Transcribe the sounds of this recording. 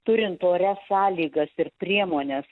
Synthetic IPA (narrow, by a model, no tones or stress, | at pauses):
t̪ʊɾʲɪnt̪oːɾʲɛsɑːlʲiːɡɐsɪrpʲɾʲiɛmoːnʲeːs